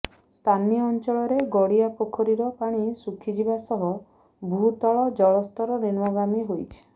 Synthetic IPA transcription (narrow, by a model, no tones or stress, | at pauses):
st̪ʰaniɔːnt͡ʃɔɭɔɾeɡɔɽiapokʰɔɾiɾɔpaɽ̃isukʰid͡ʒibasɔɦɔ | bʱut̪ɔɭɔd͡ʒɔɭɔst̪ɔɾɔniɾmɔɡamiɦojt͡ʃʰi̥